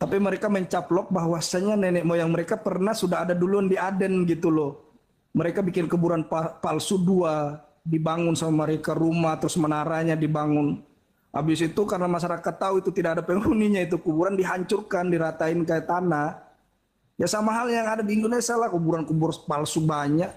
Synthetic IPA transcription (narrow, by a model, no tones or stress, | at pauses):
t̪apiməɾekaməɲt͡ʃaplɔk̚baɦwasaɲanɛnɛmɔjaŋməɾekapərnasudaɦadadulundiadɛnɡit̪ulɔ | məɾekabikɪnkubuɾanpapalsudua | dibaŋʊnsamamaɾekaɾumaht̪ɾʊsmənaɾaɲadibaŋʊn | ʔa̰bɪsit̪ukarnamas̬aɾakat̪ːauit̪ut̪idakadapəŋuniɲait̪̬ukubuɾandiɦaɲt͡ʃʊrkandiɾat̪aɪnkajat̪anah | jasamaɦaljaŋadadiːndonesialahkubuɾankubʊrpalsubaɲak̚